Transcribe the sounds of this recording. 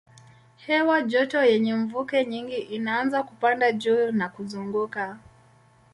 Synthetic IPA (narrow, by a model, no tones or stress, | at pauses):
hɛwaʄɔtɔjɛɲɛɱvukɛɲiŋɡiʔinaanzakupandaʄunakuzuŋɡuka